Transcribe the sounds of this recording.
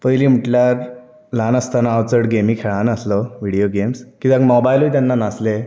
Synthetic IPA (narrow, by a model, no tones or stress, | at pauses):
pəjliːm̤əʈljaɾ | lanəst̪anaːwt͡səɽɡemiːkʰeɭanəslɔʋiɽijoɡemskid͡zaɡmɔbajluit̪janːanasle